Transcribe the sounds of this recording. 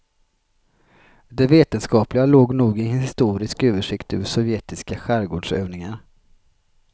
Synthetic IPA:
d̪ɛveːt̪ənskɑːplɪɡaloːɡnuːɡɪhɪɪst̪uːɾɪskøːvəʂɪkt̪ʉ̰ːʂɔvjeːt̪ɪskaɧæɾɡoːɖʂøːvnɪŋaɾ

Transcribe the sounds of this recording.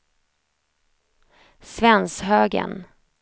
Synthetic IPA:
svɛnshøːɡə̰n

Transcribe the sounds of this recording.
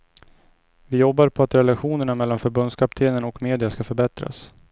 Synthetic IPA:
vɪjɔbːaɾpʰɔat̪ɾɛlaɧuːnəɳamɛlːanfœɾbɵnd̪skʰap̚t̪ʰeːnənɔkmeːd̪ɪaskafœɾbɛt̪ɾa̰s

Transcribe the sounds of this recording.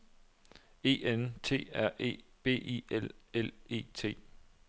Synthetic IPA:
e̝̰ːent͡sʰe̝̰ːæɐ̰ḛːb̥e̝̰ːielele̝̰ːt͡sʰe̝̰ː

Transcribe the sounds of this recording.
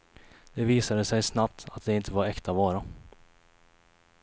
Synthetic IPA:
d̪̥ɛviːsad̪əsɛjsnap̚t̪ʰat̪̚d̪ɛɪnt̪ʰəvaɾɛkt̪ʰavɑːɾa

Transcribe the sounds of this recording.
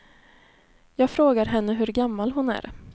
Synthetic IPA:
jɑːɡfɾoːɡaɾɦɛnːəɦɵɾɡamːalɦʊnæ̰ɾ

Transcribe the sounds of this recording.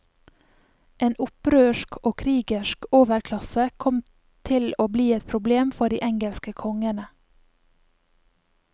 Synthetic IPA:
ʔeːnʔʊpɾøːʃkoːkʰɾiːɡɪʃkoːʋəɾkʰlɑsəkʰɔm | t̪ʰɪloːbliːɛt̪pʰɾʊbleːmfɔɖḭːʔɛŋɡɛlskəkʰɔŋənə

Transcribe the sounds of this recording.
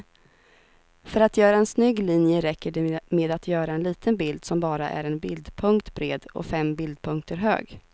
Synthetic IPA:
fœɾat̪jœːɾaɛnsnʏɡliːnjəɾɛkːəɖɛmeːd̪at̪ʰjœːɾaɛnliːt̪ʰənbɪld̪sɔmbɑːɾa̰ʔæ̰ɾɛnbɪld̪pʰɵŋkt̪bɾḛːd̪ɔ̰fɛmbɪld̪̚pʰɵŋk̚t̪ʰəɾɦø̰ːɡ

